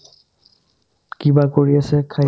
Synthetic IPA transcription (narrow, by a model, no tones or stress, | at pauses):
kibakoɹiasɛkʰa